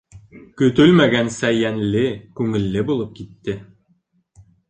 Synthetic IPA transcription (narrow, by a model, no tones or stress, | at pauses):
kɵ̆t̪ɵlmæɡænsæjænlɘkʉŋɘ̆lːɘbulˠɤp̚kit̪ːɘ